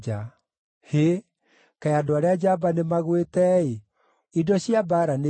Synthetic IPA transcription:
a | he | kɛjadoaɾead͡ʑabanemaɣwetɛe | idɔɕiabaːɾane

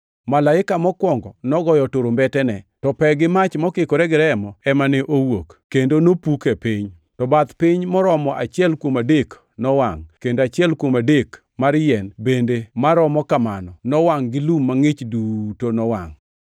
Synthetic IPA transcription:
malaɪkamɔkwɔŋɡɔnɔɡɔjɔtoɾombɛtɛnɛtɔpɛɡɪmat͡ʃmɔkɪkoɾɛɡɪɾɛmɔɛmanɛʔowokkːendonopukepɪɲ | tɔbat̪pɪɲmɔɾɔmɔʔa̰t͡ʃɪɛlkwomadek | nɔwaŋkendoat͡ʃɪɛlkwomadek | maɾjɛnbendemaɾɔmɔkamanɔnɔwaŋɡɪlumːaŋɪt͡ʃdutonɔwa̰ŋ

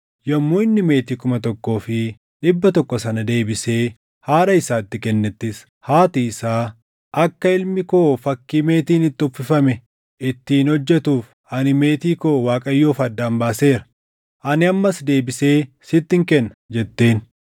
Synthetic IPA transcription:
jɐmːuːɪnːɪme̞ːt̪iːkʊmɐt̪ɔkːo̞ːfɪ | ᶑɪbːɐt̪ɔkːɔsɐnɐd̪e̞ːbɪse̞ː | haːɾɐɪsaːɪt̪ːɪkɛnːɛt̪ːɪs | haːt̪iɪsaː | ʔɐkːɐɪlmɪkoːfɐkːiːme̞ːt̪iːnɪt̪ːʊfːɪfɐmɛ | ɪt̪ːiːnhɔd͡ʒːɛt̪uːf | ɐnɪme̞ːt̪iːko̞ːwaːkʼɐjːo̞ːfɐd̪ːaːmbaːse̞ːɾɐ̥ | ʔɐnɪɐmːɐsd̪e̞ːbɪse̞ːsɪt̪ːɪŋkɛnːɐ̥d͡ʒɛt̪ːe̞ːn

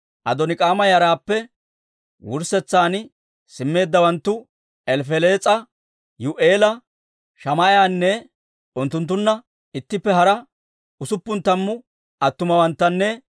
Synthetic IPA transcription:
ʔɐ̰d̪ɔnɪkʼaːmɐjɐɾaːpːɛ | wʊɾsɛt͡sːaːn | sɪmːe̞ːd̪ːɐwɐnt̪ːʊ | ɛlfɛleːt͡sʼɐ | jʊʔeːlɐ | ʃɐmɐʔjaːnːɛ | ʊnt̪ːʊnt̪ːʊnːɐ | ɪt̪ːɪpːɛɦɐɾɐ | ʊsʊpːʊnt̪ːɐmːʊ | ɐt̪ːʊmɐwɐnt̪ːɐnːɛ

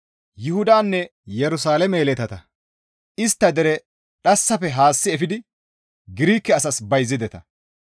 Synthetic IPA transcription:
jʊhʊd̪aːnːɛjɛɾʊsaːlɛmeːlɛt̪ɐt̪ɐ | ɪst̪ːɐd̪ɛɾɛ | ɗɐsːɐfɛɦaːsːɪɛfɪd̪ɪ | ɡɪɾiːkːɛɐsɐsbɐjzːɪd̪ɛt̪ɐ

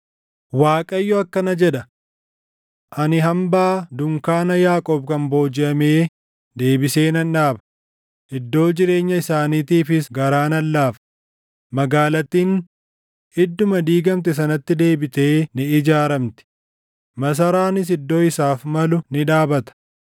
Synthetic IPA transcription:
waːkʼɐjːɔɐkːɐnɐd͡ʒɛᶑɐ | ʔɐnɪɦɐmbaːd̪ʊŋkaːnɐjaːkʼɔːbkɐmbo̞ːd͡ʒɪʔɐmeː | d̪eːbɪse̞ːnɐnᶑaːbɐ̥ | ɪd̪ːo̞ːd͡ʒɪɾe̞ːɲːɐɪsaːniːt̪iːfɪsɡɐɾaːnɐlːaːf | mɐɡaːlɐt̪ːiːn | ɪd̪ːʊmɐd̪iːɡɐmt̪ɛs̬ɐnɐt̪ːɪd̪e̞ːbɪt̪e̞ːnɪɪd͡ʒaːɾɐmt̪ɪ̥ | mɐs̬ɐɾaːnɪs̬ɪd̪ːo̞ːɪsaːfmɐlʊnɪᶑaːbɐt̪ɐ̥

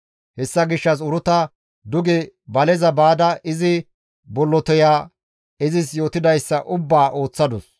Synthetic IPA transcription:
hɛsːɐɡɪʃːɐs̬ʊɾʊt̪ɐ | d̪ʊɡɛbɐlɛzɐbaːd̪ɐʔɪzɪ | bɔlːɔt̪ɔjaː | ɪzɪsjo̞ːt̪ɪd̪ɐjsːɐʔʊbːaːʔo̞ːt͡sːɐd̪ɔs

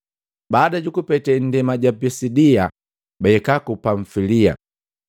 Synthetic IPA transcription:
baːdaɟukupɛtɛn̩dɛmaɟapisidia | bɛɛkakupaɱfilia̰

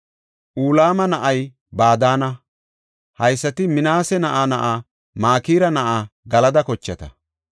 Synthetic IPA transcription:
ʔuːlaːmɐnɐʔɐj | baːd̪aːnɐ | hɐjsːɐt̪ɪmɪnaːsɛnɐʔaːnɐʔaː | maːkiːɾɐnɐʔaːɡɐlɐd̪ɐkɔt͡ʃːɐt̪ɐ

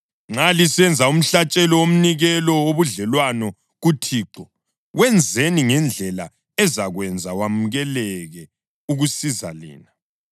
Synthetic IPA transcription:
ŋ͡ǁalisɛnd͡zʱaum̩ɬat͡ʃʼɛlɔom̩niɣɛlɔwoβuɮɛlwanɔ | ɣutʰiːǃɔ | ɣwɛnd͡zʱeniŋɛnd͡ɮʱɛla̰ | ɛzaɣwɛnd͡zʱawamuɣɛlɛɣɛ | uɣusiza̰lḭːna

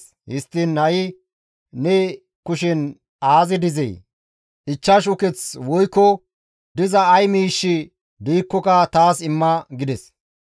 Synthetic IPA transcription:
hɪ̰st̪ːɪnːɐɪ | nɛ | kʊʃɛn | aːzɪd̪ɪzɛ̰j | ɪt͡ʃːɐʃ̬ʊkɛt͡swɔjkːɔ | d̪ɪzɐːjmiːʃːɪ | d̪iːkːɔkɐt̪aːsɪmːɐɡɪd̪ɛs

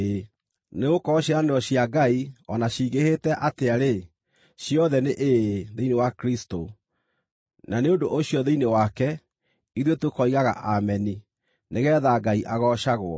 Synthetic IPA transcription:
neɣokɔɕeɾaneɔɕiaɡaiɔnaɕiːɣehetɛʔateaɾe | ɕijɔðɛneʔeðeinewakɾisto | naneondoʔoɕjɔðeinewakɛ | iðwetwekɔiɣaɣa̰ʔamɛni | neɣɛːðaɡaiʔaɣɔʃaɣwɔ̰

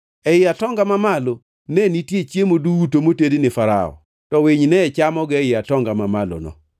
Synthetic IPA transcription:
ɛɪatɔŋɡamamalo | nɛnitjet͡ʃjemoduutomotedenɪfaɾa̰ɔ̰ | tɔwɪɲnɛt͡ʃamɔɡɛɪatɔŋɡamamalo̰nɔ̰

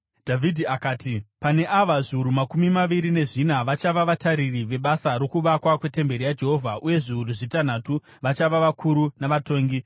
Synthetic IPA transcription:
dʱavʱidʱiakaːtipane̞ʔaʋaʐiuɾumakumimaʋiɾine̞ʐinaʋat͡ʃaʋaʋataɾiriʋe̞ɓasaɾo̞kuʋakwakwe̞te̞mbe̞ɾijad͡ʒe̞ɦo̞vʱaʔuje̞ʐiuruʐitanatu | ʋat͡ʃaʋaʋakʰuɾunaʋatoːŋɡi

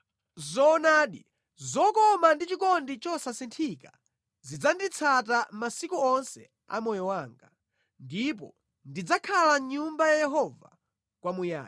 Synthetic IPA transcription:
zɔːnaːɗḭ | zɔkɔmandit͡ʃikɔndit͡ʃɔsasintʰika | zid͡zandit͡sʰatamasikuɔnsɛ̰ | a̰mɔjɔwaːŋɡa | ndip̬ɔ̰ | ndid͡zakʰalaɲumbajajɛɦɔva̰ | kwamuja̰ː

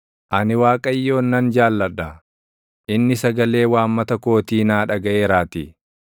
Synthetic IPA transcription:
ʔɐnɪwaːkʼɐjːo̞ːnːɐnd͡ʒaːlːɐɗɐ | ʔɪnːɪsɐɡɐle̞ːwaːmːɐt̪ɐko̞ːt̪iːnaːᶑɐɡɐʔeːɾaːt̪i

